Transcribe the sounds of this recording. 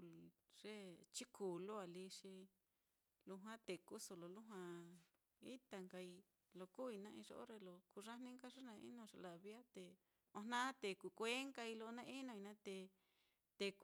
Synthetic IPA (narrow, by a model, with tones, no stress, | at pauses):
ʐ̥e˦t͡ʃi˦ku˨lo˦a˨li˧ʂi˧ | lu˧ɦwã˦t̪e˨ku˦so˧lo˨lu˦ɦwã˧ | ḭ˦t̪a˧ŋka˧i˧ | lo˧ku˦i˧nã˧ĩ˧ʐo̰˧ʔo̰˦ɾe˧lo˧ku˧ʐa˦nĩ˦ŋka˦ʐe˦nã˧ḭ˦nõ˧ʂe˧la˨βja˦t̪e˧ | õ˧nã˦t̪e˧ku˧kʷe˦ŋka˧i˧lo˧nã˧˦ʔi˦nõ˧i˧nã˦t̪e˧ | t̪e˧k